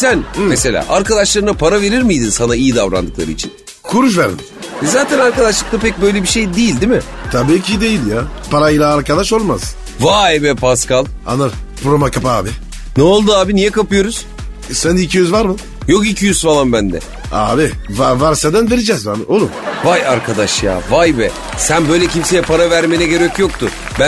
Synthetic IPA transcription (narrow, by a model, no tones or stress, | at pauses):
sænmese̞lʲa̰ːʔaɾkad̪aʃlˠaɾɯnapʰaɾave̞ɾiɾmijd̪insanaijid̪avɾa̰nd̪ɯklˠa̰ɾɯ̰it͡ʃʰin | kʰuɾuʃ̬væɾn | ɛzaːt̪ʰænaɾkad̪aʃlˠɯk̚t̪apɛc̚bøjlʲebiʃe̞jd̪ejilʲd̪imɪt̪ʰabiːcʰid̪e̞jilʲjaːpʰaɾajilʲˠaːɾkad̪aʃo̞lˠmaz̥ | vaebɛpʰaskalˠ | a̰naɾpɾomakapaːbɪ | noolˠd̪uaːbinijɛkapɯjo̞ɾuz̥ | sænd̪ːcʰijyzvaɾmɯ | jo̞kicʰijyzfalˠambænd̪ɛ̰ | aːbɪvavaɾsɛd̪ænve̞ɾed͡ʒɛzbanolˠuvajaɾkʰad̪aʃja̰ːvajbɛ | sænbø̞jlʲɛcimse̞jɛpʰaɾavæɾmenɛɟø̞ɾɛcjo̞k̚t̪ʰʊ | bæ